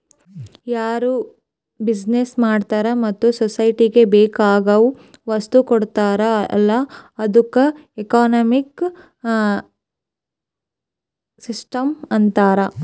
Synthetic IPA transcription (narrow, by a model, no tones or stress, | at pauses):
jaːɾu | bid͡ʒnesmaːɖt̪aːɾɐmɐt̪ːusɔsɐjʈiɡe̞beːkaːɡɐʋ | ʋɐst̪ukɔɽt̪aːɾɐlːɐɐd̪ukːɐekaːnɐmik | sisʈɐmɐnt̪aːɾɐ